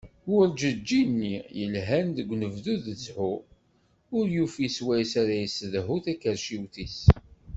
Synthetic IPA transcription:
ʊɾd͡ʒəd͡ʒːinːijəlɦænðəɡʷːnəvðuðət͡sːħu | ʊɾjufiswæjsaɾæjəsəðɦuθækːəɾʃiwθis

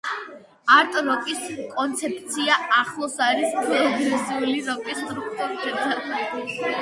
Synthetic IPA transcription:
aɾt̪ʼɔɾɔkʼiskʼɔnt̪sʰɛpʼt̪sʰiaaχlˠɔsaɾispʰɛlˠɔɡɔsiuliɾɔkʼist̪ʼɾupt̪ʼɔɾpʰɛt̪ʰa

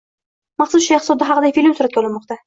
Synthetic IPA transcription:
mɑχsʊsʃaet̪sɔd̪d̪aɦaqɨd̪ajfilʲɪmsʊɾat̪̚kʲaɒlˠɪnmɒqt̪a

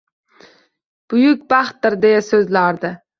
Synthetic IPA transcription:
b̥ʊjʊk̚ʲbɑχt̪ːɨɾd̪ejɛsøzlaɾd̪ɨ

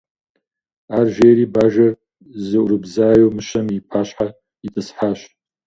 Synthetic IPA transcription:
aːrʒeːɾiːbaːʒɐr | zɨʔʷʊɾɨbzaːjowmɨɕɐmipʰaːɕħa | itʰʼɨsħaːɕ

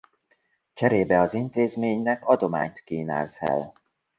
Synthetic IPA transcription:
t͡ʃɛɾeːbɛɒzint̪eːzmeːɲnɛkɒd̪o̞ma̰ːɲt̪kiːna̰ːlfɛ̰l

